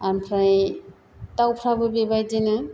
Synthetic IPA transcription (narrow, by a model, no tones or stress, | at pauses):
ampʰɾaj | tawpʰɾabɯbebajdena